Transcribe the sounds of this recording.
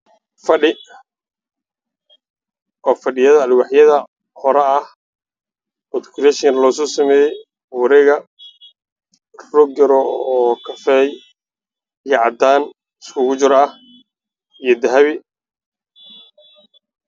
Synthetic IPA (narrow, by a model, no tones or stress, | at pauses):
fɐɖɪ | ʔɔːfɐɖɪjɐðɐːlwɑħjɐðɐ | hɔɾɛɐh | ɔt̪ɪ̥kʰɾɛʃɐnlɔsɔːsɐmɛːjɛj | wɑɾɛːɣɐ | rɔɡɐɾɔɔkʰɐfɛj | ijɐʕɑd̪aːn | ɪskʰʊɣʊt͡ʃɪɾɐh | ijɞd̪ɐɦɐβɪ